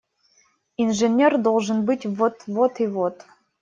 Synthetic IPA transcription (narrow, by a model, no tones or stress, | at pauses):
inʐenʲerd̪olˠʐɨnbɨtʲvɔt̪ʰvot̪ʰivot̪ʰ